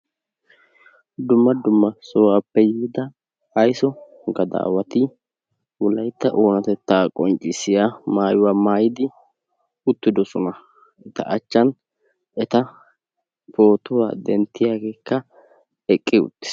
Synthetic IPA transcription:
d̪ʊmːɐd̪ʊmːɐsɔwaːpːɛjiːd̪ɐː | jsɔ | ɡɐd̪a̰ːwɐt̪ɪ | wʊlɐjt̪ːɐʔoːnɐt̪ɛt̪ːaːkʼɔnt͡ʃʼːɪsɪjamaːjʊwaːmaːjɪd̪ɪ | ʊt̪ːɪd̪ɔsɔnɐ | ʔɛt̪ɐ̰ʔɐt͡ʃːɐn | ɛt̪ɐ | po̞ːt̪ʊwa̰ːd̪ɛnt̪ːɪjaːɡe̞ːkːɐ | ɛkʼːɪʊ̰t̪ːɪ̥s

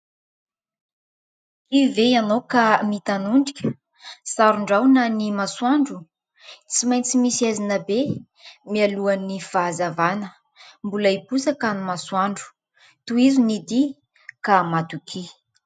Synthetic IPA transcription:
ivejanokamit̪anuɳɖ͡ʐikʲə | saɾuɳɖ͡ʐawnanimaswaɳɖ͡ʐu | t͡simajnt͡simisiazinəbe | mialuanifazavanə | mbuləipusakanimaswaɳɖ͡ʐu̥ | t̪uizunid̪i | kamat̪ukʰi

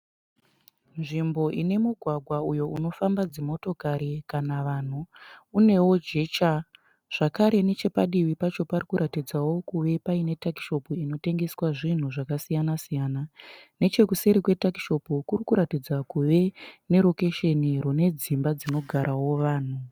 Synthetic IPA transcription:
nʐimbo̞ʔine̞muɡʱwaɡʱwaujo̞uno̞fambad͡zimo̞to̞kaɾikanaʋan̤uːne̞wo̞d͡ʒe̞t͡ʃa | ʐ̥akaɾe̞ne̞t͡ʃe̞paɗiʋipat͡ʃo̞parikuɾʔatid͡zawo̞kuʋe̞paine̞taki̥ʃo̞puino̞te̞ŋɡe̞swaʐin̤uʐakasijanasijaːnane̞t͡ʃe̞kuseɾikwe̞taki̥ʃo̞pukurikuɾatid͡zakuʋe̞ne̞ɾo̞ke̞ʃe̞nirune̞d͡zimbad͡zino̞ɡʱaɾʔawo̞ʋaːn̤u

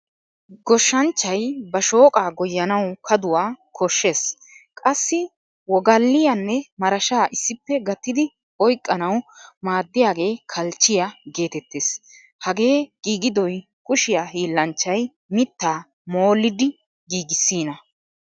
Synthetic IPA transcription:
ɡɔʃːɐnt͡ʃːɐjbɐʃoːkʼaːɡɔjːɐnɐwkʰɐd̪ʊwaːkʰɔʃːe̞ːs | kʼɐsːɪ | wɔɡɐlːɪjanːɛmɐɾɐʃaːʔɪsːɪpːɛɡɐt̪ːɪd̪ɪ | ɔjkʼːɐnɐwmaːd̪ːɪjaːɡe̞ːkʰɐlt͡ʃːɪjaɡe̞ːt̪ɛt̪ːeːs | hɐɡe̞ːɡ̥iːɡɪd̪ɔj | kʊʃɪjaːɦiːlːɐnt͡ʃːɐj | mɪt̪ːaː | mo̞ːlːɪd̪ɪ | ɡiːɡɪsːiːnɐ

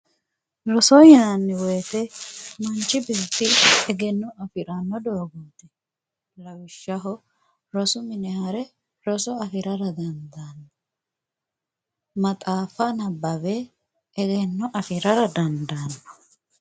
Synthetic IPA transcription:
ɾɔsɔjnɐnːɪwɔjt̪ɛmɐnt͡ʃːɪbɛːt̪ːɪɛɡɛnːɔɐfɪɾɐnːɔd̪oːɡɔnt̪ːɛ | lɐwɪʃːɐɦɔ | ɾɔsʊmɪnɛhɐɾɛ | ɾɔsɔɐfɪɾɐɾɐd̪ɐnd̪ɐnːɐ | mɐt̪ʼaːfɐnɐbːɐbɛ | ɛɡɛnːɔʔɐfɪɾɐɾɐd̪ɐnd̪ɐnːɐ̥

